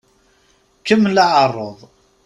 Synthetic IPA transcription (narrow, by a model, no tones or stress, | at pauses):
kəmːləʕərˤːoðˤ